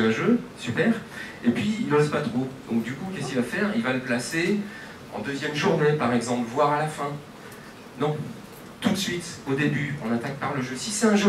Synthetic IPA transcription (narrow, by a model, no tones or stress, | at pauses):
ɛ̃ʒøsypɛːʁ | epɥiːlɔzpat̪χod̪ɔ̃k̚d̪ykukʲɛskʲilvafɛʁilvaləplase | ɑ̰̃d̪øzjɛmʒuʁnepaʁɛɡzɑ̃pləvwaʁalafɛ̃ | nɔ̃ | t̪ut̪sɥit̪od̪ebyɔ̃nat̪ak̚paʁləʒøsisɛɛ̃ʒø